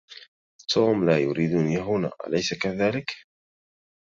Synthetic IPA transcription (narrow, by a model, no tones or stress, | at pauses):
t̪ʰuːmlaːjʊɾiːd̪njaɦʊna̰ːʔa̰lajsakaðaːlɪk